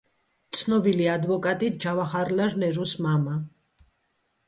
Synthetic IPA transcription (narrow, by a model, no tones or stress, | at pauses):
t̪sʰnɔbiliad̪vɔkʼat̪ʼit̪̚d͡ʒavaχaɾlaɾnɛɾusmama